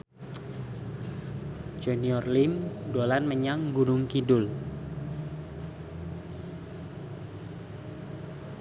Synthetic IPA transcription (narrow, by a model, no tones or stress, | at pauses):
d͡ʒ̥ɛniɔrlimdolanməɲaŋɡuɾʊŋkidʊl